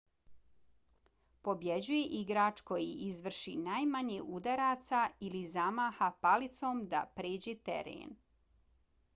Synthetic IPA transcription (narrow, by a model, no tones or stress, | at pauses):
po̞bjed͡ʑuje̞ʔiɡɾat͡ʃko̞jiʔizʋr̩ʃḭnaːjmaɲeʔud̪aɾat̪sailizamaːxapalit̪so̞ːmd̪a̰pɾeːd͡ʑet̪ḛɾḛːn